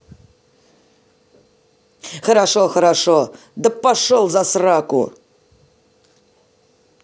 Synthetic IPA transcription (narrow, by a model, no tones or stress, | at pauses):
χəɾaʂoxəɾaʂo | d̪əpːaʂolˠzasrɑkṵ